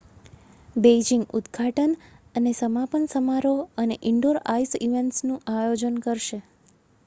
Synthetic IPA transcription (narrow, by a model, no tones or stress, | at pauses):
bed͡ʒiŋɡud̪ɡʱaʈənənesəmapənsəmaɾoəneʔɪɳɖoɾaisiʋeɳʈsnũʔajod͡ʒənkəɾʃe